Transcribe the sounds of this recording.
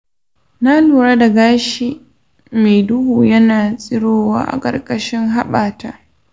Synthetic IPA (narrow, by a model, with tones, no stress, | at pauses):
na˦luː˨ɽa˦da˨ɡaː˦ʃi˨ | me˨dʊ˦huː˨jɐ˦naː˨sʼɪ˦ɽoː˦wa̰ː˦ʔa̰˨kʼɐ̰˨rkʼɐ˦ʃɪ˦ŋɦa˦ɓaː˨ta˦ʔ